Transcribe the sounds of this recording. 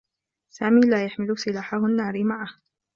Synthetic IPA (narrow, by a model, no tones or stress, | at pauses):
saːmiːlaːjaħmɪlʊsɪlaːħahʊnːaːɾɪmaʕah